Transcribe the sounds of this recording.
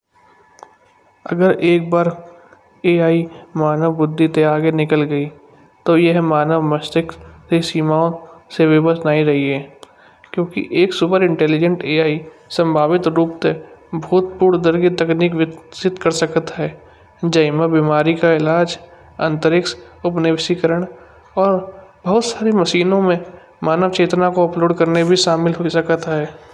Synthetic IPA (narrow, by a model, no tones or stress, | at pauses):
ɐ̰ɡəɾeːk̚baːɾ | eːaːimaːnəʋbʊd̪ʱːit̪eaːɡenɪkəlɡəi | t̪ojeɦmaːnəʋmɐst̪ɪksesiːmaːõseʋɪbəsnaːiɾɐɦiɦɛː | kjõːkḭʔeːksʊpəɾɪ̃ɳʈɛːlɪd͡ʒə̃ɳʈeːaːi | sə̃mbʱaːʋɪt̪ɾuːpt̪ebʱuːt̪puːɾd̪əɾkit̪ɐkniːkʋɪsɪt̪kəɾsəkt̪ɦɛː | d͡ʒəɪməbimaːɾikaɪlaːd͡ʒ | ɐ̰̃nt̪əɾɪksʊpneʋɪsikəɾəɽ̃ | ɔːɾbɐɦʊt̪saːɾimɐʃiːnõmẽ | maːnəʋt͡ʃeːt̪nakoɐploːɖkɐɾnebʱiʃaːmɪlɦoisəkt̪aɦɛː